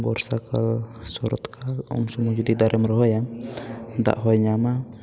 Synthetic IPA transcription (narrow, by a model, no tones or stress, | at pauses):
bɔɾsakalsɔɾɔ̰t̪kʰalɔ̰msɔmɔd͡ʒɔd̪id̪aɾɛmɾɔɦɔjam | d̪a̰ʔɦɔjɲama